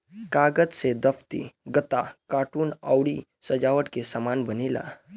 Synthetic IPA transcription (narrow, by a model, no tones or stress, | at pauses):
kaɡəd͡zsed̪əpʰt̪ḭɡət̪akaʈuːnə̰wɽi | səd͡ʒaʋəʈkesəmanbənila̰